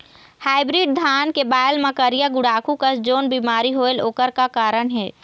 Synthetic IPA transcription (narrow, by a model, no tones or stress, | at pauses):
haːɪbɾiːɖ̚d̪ʱaːnkebaːjəlməkəɾijaɡʊɽaːkukəsd͡ʒoːnbimaːɾiɦoːeloːkəɾkakaːɾəɽɦɛː